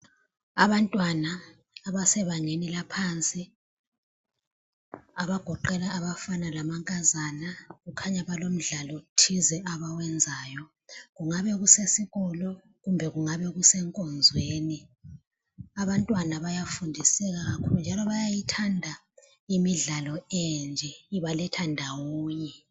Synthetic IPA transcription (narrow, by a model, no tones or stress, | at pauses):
aβantʼwanaː | βasɛβaŋenilapʰant͡sʼi | aβaɡ̥ʱɔǃɛlaːβafanalamaŋkʼazanaɣukʰaɲaβalom̩ɮalɔtʰizɛʔaβawɛnd͡zʱaːjɔ | ɣuŋaβɛɣusesiɣɔlɔ | ɣumbʱɛɣuŋaβɛɣusɛŋkʼɔnd͡zʱweːni | aβantʼwanaβajafundʱisɛɣaɣakʰulund͡ʒʱalɔβajajitʰandʱa | imiɮalɔɛnd͡ʒʱɛiβalɛtʰandʱawoːɲɛ